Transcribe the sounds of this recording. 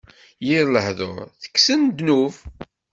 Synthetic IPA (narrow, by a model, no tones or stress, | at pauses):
jiɾləhðo̰ɾθə̥kːsənd̪nuv